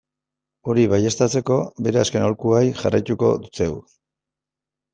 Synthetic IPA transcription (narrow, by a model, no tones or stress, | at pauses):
o̞ɾiβaje̞st̪at͡se̞ko̞be̞ɾe̞aske̞no̞lkuajʝarajt̪uko̞̰d̪ut͡se̞w